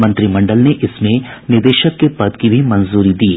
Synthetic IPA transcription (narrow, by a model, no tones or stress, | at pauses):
mə̃nt̪ɾimɐ̃ɳɖəlneʔɪsmẽnɪɾd̪eːʃəkːepɐd̪kibʱimɐ̃nzuːɾid̪iː